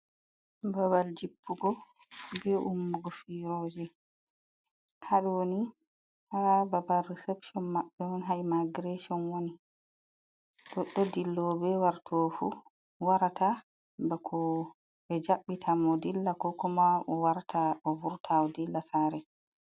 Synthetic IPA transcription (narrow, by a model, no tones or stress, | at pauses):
baβald͡ʒipʰːuɡɔ | bɛʔumːuɡɔfiɾoːd͡ʒɛ | haɗwoni | haababalrɛsɛpsɔnmːaɓːɛwɔnɦajmaɡɾɛsɔnwoni | ɗɔɗːɔdilːɔbɛwaɾtʰoːfṵ | waɾata | bɛkʰɔ | bɛd͡ʒaɓːitʰamɔdilːakɔkɔmaʔɔwaɾatʰaʔɔvuɾtʰawɔdilːasaɾɛ